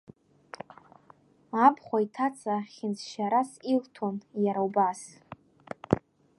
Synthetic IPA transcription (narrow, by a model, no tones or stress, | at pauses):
apʰχʷaitʰat͡sʼaχʲɪnt͡sʰʃaɾasiltʰonjaɾawbas